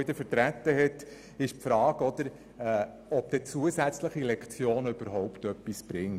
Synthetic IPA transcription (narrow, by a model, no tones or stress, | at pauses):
ɪd̪əɾfəɾtɾæt̪ːəɦɛt | ɪʃpfɾɑːɡ̥ɔd̪̥əɾ | ɛː | ɔp̚d̥̪ɛt͡suəsæt͡sləχilɛkχt͡sjoːnəʏb̥əɾɦɔʊpt̪œpːisb̥ɾɪŋ